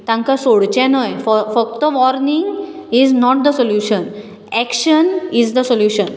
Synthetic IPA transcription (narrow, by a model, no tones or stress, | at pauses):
t̪ãŋkasoɽt͡ɕɛ̃nəjffək̚t̪əʋɔɾniŋɡiznɔʈ̚d̪əsoljuɕən | ɛkɕənizd̪əsoljuɕən